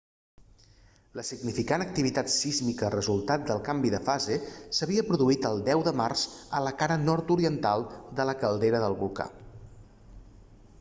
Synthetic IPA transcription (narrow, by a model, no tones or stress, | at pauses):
ləsiɡnifikanək̚t̪iβit̪at̪sizmikərəzulˠt̪at̪̚d̪əlˠkambiðəfazesəβiəpɾuðuit̪əlˠd̪ɛwðəmarzələkaɾənɔɾt̪uɾiənt̪alˠd̪ələkəlˠd̪eɾəðəlˠβulˠka̰